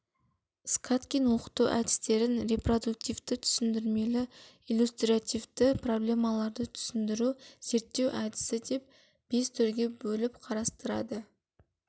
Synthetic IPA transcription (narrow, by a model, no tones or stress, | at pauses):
skʰat̪kʲijnwo̞qə̥t̪uʔæ̰d̪ɪst̪e̞ɾɪnɾe̞pro̞d̪uk̚t̪ijvt̪ɪt̪ʰʏ̥sɪnd̪ɪɾme̞lɪ | ilʲust̪ɾiat̪ijvt̪ɪpro̞blʲe̞mɑlˠɑɾd̪ət̪ʰʏ̥sɪnd̪ɪɾuz̥e̞ɾt̪ːe̞wʔæd̪ɪ̥sɪd̪e̞p̚ | b̥e̞st̪ʰʏɾɡʲe̞bɵlɪpqʰɑɾɑst̪əɾɑ̰d̪ə